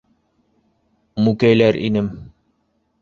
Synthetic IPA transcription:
mukæjlæɾḭnɘm

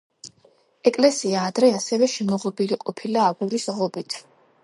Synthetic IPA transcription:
ɛkʼlɛsiaːd̪ɾɛasɛvɛʃɛmɔʁɔbiliqʼɔpʰilaːɡuɾisʁɔbit̪ʰ

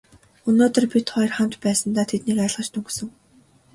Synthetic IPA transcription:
ɵnoːt̪ə̆rpʲit̪χɔj̆rχam̥t̪pæːsə̆nt̪aːt̪ʰet̪niːkaɪ̆ɮʁə̆t͡ɕt̪ʰɵŋɡsɵ̆ŋ

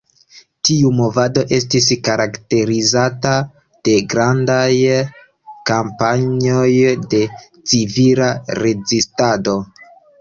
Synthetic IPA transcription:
tiumo̞vado̞ʔe̞s̬tis̬kaɾakte̞ɾizata | d̥e̞ɡɾandaj | kampaɲo̞jde̞ | t͡sivilaɾe̞zistado̞

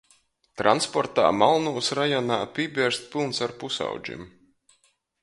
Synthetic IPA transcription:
t̪ɾʔanspɔɾt̪a̰ːmalˠnuːsɾajɔnaːpʲiɛbʲiɛɾst̪̚pilˠnsaɾpusa̰wd͡ʒḭm

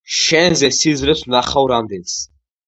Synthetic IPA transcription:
ʃɛnzɛsizɾɛsʰnaχawɾamd̪ɛns

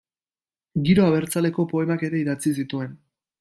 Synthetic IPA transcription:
ɡiɾo̞aβe̞ɾt͡sale̞ko̞po̞e̞make̞ɾe̞iðat͡sis̬it̪ue̞n

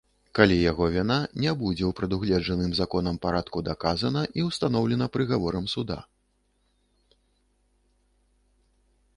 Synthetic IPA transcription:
kalʲijaɣɔvʲinanʲɛbud͡zʲɛwpɾɐd̪uɣlʲɛd͡ʐʐɐnɨmzakɔn̪ɐmpaɾat̪kud̪akazɐnɐʔiwst̪an̪ɔwlʲɛnɐpɾɨɣavɔɾɐmsud̪a̰

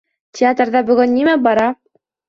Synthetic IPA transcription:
tʲʰɪat̪rðɑbɵ̆ɡɵnːimæbɑɾɑ

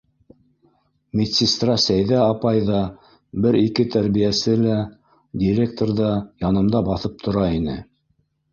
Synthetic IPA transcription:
mʲit̪sʲist̪rɑsæjðæɑpɑjðɑ | bɘɾikɘt̪æɾβijæsɘlæ | dʲiɾʲek̚t̪orðɑjɑnɤ̆md̪ɑbɑθɤp̚t̪ʰŏɾɑinɘ̰

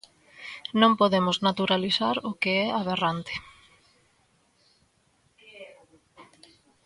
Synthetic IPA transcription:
nõmpoðemʊznat̪uɾaliθaɾʊkeɛaβ̞erant̪ɪ̥

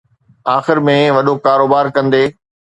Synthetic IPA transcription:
aːxɪɾmẽʋɐɗokaːɾoːbaːɾkɐ̃nd̪eː

